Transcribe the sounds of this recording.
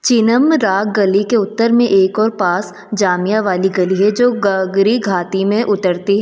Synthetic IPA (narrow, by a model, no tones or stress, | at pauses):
t͡ʃɪnəmɾaːk̚ɡɐlikeʊt̪ːəɾmẽʔeːkɔːɾpaːs | d͡ʒaːmijaʋaːliɡɐliɦɛd͡ʒoːɡɐɡɾiɡʱaːt̪imẽʔʊt̪əɾt̪iɦɛ